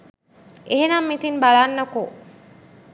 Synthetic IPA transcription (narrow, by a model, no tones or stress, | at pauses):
eɦenamːit̪inbaɭaːnːɐko